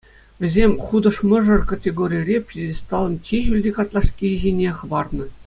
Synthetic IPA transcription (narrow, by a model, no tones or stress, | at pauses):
ʋʲĕzʲemʲχud̪ɤ̆ʂmɤ̆ʐɤ̆rkɑtʲeɡoɾʲijrʲepʲedʲesʲt̪ɑlˠɤ̆nt͡ɕʲiʑylʲdʲikɑt̪lˠɑʂkʲiʑʲenʲeχɤ̆bɑrnɤ̆